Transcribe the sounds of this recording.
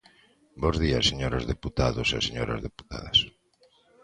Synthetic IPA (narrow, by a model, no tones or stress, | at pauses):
bozðiɐseɲoɾozðeput̪aðoseɐseɲoɾɐ̰zðepu̥t̪a̰ðɐs